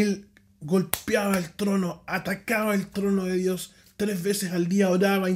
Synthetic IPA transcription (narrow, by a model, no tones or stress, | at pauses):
el | ɡo̞lpjaβaelt̪ɾonoat̪akaβaelt̪ɾo̞noðeðjo̞s | t̪ɾezβe̞sesald̪iaoɾaβa